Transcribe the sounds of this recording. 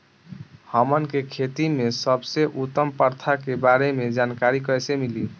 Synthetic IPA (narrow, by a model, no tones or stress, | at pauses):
həmənkekʰet̪imesəbseʔut̪ːəmpəɾt̪ʰakebaɾemed͡ʒankaɾikəjsemili